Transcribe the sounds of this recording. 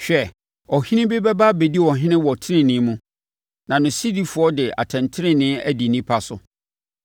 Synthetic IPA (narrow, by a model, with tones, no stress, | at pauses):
ɕᶣɛ˦˨ | ɔ˨hɪ̃˦nɪ̃˦be˦bɛ˦ba˦be˨di˦˨wɔ˨ɦɪ̃˦nɪ̃˦wɔ˨tʰɪ˦nɪ̃˨nɪ̃˨˦mũ˦ | nã˨nʊ̃˨si˦di˦fʊ˨ɔ˦dɪ˨a̰˨tʰɛ̃˨ntʰɪ˦ɾɪ̃˦nɪ̃˦æ˦di˨nĩ˦pʰa˦sʊ˨